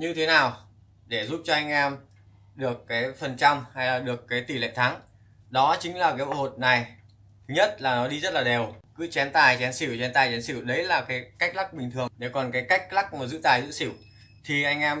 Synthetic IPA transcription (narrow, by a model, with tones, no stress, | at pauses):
ɲɨ˧t̪ʰe˨˦naː˨˩w | ɗe˧˩zu˦˥p̚t͡ɕɔ˧ʔa˧jŋ̟ʔɛ˧m | ɗɨ˨˩əkːaː˨˦jfə˨˩nt͡ɕa˧wŋ͡mha˧jlaː˨˩ɗɨ˨˩əkːaː˨˦jt̪i˨˧˩lḛ˧˨t̪ʰa˨˦ŋ | ɗɔ˨˦t͡ɕï˨˦ŋ̟laː˨˩kaː˨˦jɓo̰˧˥˦ho̰˧˨t̚na˨˩j | t̪ʰɨ˨˦ɲə˦˥t̚laː˨˩nɔ˨˦ɗi˧zə˦˥t̚laː˨˩ɗe˨˩wkɨ̰˨˦˥t͡ɕɛ˨˦nt̪aː˨˩jt͡ɕɛ˨˦nsi˧˩wt͡ɕɛ˨˦nt̪aː˨˩jt͡ɕɛ˨˦nsi˧˩wɗə˨˦jlaː˨˩kaː˨˦jka˦˥jk̚la˦˥k̚ɓï˨˩ŋt̪ʰɨ˨˩əŋɗe˧˩kɔ˨˩nkaː˨˦jka˦˥jk̟̚la˦˥k̚mə˨˩zɨ̰˧˥t̪aː˨˩jzɨ̰˧˥si˧˩˨w | t̪ʰi˨˩ʔa˧jŋ̟ʔɛ˧m